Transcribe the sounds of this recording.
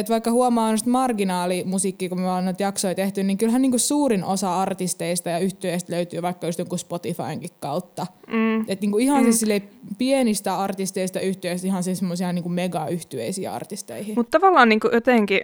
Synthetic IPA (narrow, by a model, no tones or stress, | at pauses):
et̪ʋɑikːɑhuɑmɑːonost̪mɑrɡinɑːlimusiːkːikumyolːenyˑt̪jɑksoit̪eht̪yniːŋkylhænniːŋkussuːrinosɑɑrt̪ist̪eist̪ɑjɑyht̪yeist̪løyt̪yːʋɑikːɑjust̪joŋkuspot̪ifɑ̰iŋkikkɑut̪ːɑː | et̪niːŋkuihɑnsissilːeipienist̪æɑrt̪ist̪eist̪ɑyht̪yeist̪ihɑnsisemːosiɑniːŋkummeɡɑyht̪yḛisḭːɑ̰rt̪ist̪ḛihimut̪t̪ɑʋɑlːɑːnniːŋkujot̪eŋki